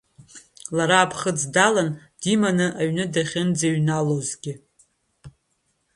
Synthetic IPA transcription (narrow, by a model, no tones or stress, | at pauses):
laɾaːpʰχəd͡zdalan | d̥imanɨʔaɥnɨdaχʲɪnd͡zeɥnalozɡʲɪ